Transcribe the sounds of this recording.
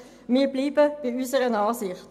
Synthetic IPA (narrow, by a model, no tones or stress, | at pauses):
miːbliːbəb̥ɪysəɾənɑːsɪχt